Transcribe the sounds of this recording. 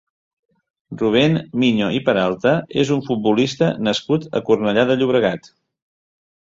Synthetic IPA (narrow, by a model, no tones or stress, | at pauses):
ruβ̞enmiɲoʔipəɾalˠt̪əezuɱfut̪̚bulist̪ənəskut̪ə̰kurnəʎaðəʎuβ̞ɾəɣat̪